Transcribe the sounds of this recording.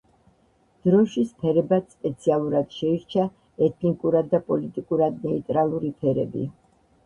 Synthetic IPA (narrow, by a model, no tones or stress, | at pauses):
d̪̥ɾɔʃispʰɛɾɛbatspʼɛt̪sʰialˠuɾad̪̥ʃɛiɾt͡ʃʰa | ɛt̪ʰnikʼuɾad̪ːapʼɔlit̪ʼikʼuɾad̪nɛit̪ʼɾalˠuɾipʰɛɾɛ̰bḭ